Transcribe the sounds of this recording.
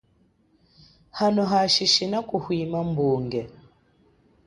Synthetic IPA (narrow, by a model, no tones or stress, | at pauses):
hanɔɦaʃiʃinakuhwimambuːŋɡɛ